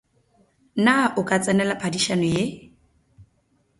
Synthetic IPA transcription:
naʔʊkʼat͡sʼɛnɛlapʰadiʃanɔje

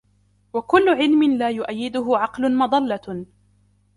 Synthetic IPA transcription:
wakʊlːʊʕɪlmɪnlaːjʊʔajːɪd̪ʊɦʊʕɑqlʊnmɑd̪ˤɑlːɑ

